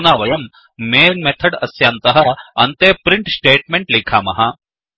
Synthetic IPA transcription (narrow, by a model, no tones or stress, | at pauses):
naːʋɐjɐmː | eːnmet̪ʰɐɽɐsjaːnt̪ɐɦɐɐnt̪eːpɾiɳʈsʈeːʈmeɳʈliːkʰaːmɐ̰ɦaː